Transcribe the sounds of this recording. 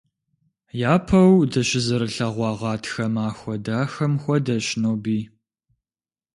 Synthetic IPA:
jaːpʰɐwdɐɕɪzɨɾɨɬɐʁʷɑːʁɑːtʰxɐmaːxʷɔdaːxɐmxʷɔdɐɕnoːbiː

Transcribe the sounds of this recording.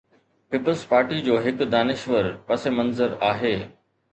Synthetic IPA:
piːpəlzpaːɾʈid͡ʑoːɦɪkd̪aːnɪʃʋəɾpɐsemɐ̃nzəɾaːɦeː

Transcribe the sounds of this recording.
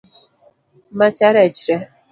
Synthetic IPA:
mat͡ʃaɾɛt͡ʃɾɛ

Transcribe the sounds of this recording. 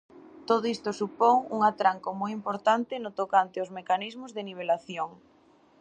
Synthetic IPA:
t̪oð̞oist̪ʊsupoŋuŋat̪ɾaŋkomojimpoɾt̪ant̪ɪnʊt̪okant̪eozmekanizmʊzðeniβ̞elaθjoŋ

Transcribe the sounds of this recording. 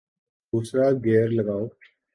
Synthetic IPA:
d̪uːsɾaːɡɛːɾləɡaːoː

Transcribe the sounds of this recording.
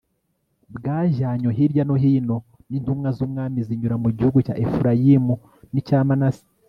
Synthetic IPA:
bɡaːʒaːɲoɦiɾɟanoɦiːno̞ | nintumŋazumŋaːmiziɲuɾamuɟihuɡuca̰ːʔefuɾajimu | nicaːmanasi̥

